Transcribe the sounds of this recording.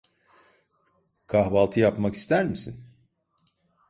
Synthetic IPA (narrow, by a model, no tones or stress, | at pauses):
kʰaɦbalˠt̪ʰɯjapmaki̥st̪ʰæɾmisin